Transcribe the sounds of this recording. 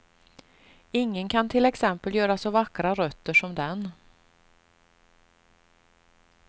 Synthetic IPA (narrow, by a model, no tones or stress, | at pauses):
ɪŋːənkʰant̪ʰɪlɛksɛmpəljœːɾasɔvakːɾaɾœt̪ːəʂɔmd̪ɛn